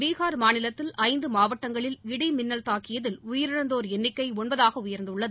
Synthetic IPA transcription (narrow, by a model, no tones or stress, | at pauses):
ʋiːɣaːɾmaːnɪlɐt̪ːɪlɐɪnd̪ɯmaːʋɐʈːɐŋɡɐɭɪlɪɽimɪnːɐlt̪aːkːɪjɐðɪlʊjɪɾɪɻɐnd̪oːɾɛnːɪkːɐɪɔɳbɐðaːɣɐʊjɐɾnd̪ɯɭːɐðɯ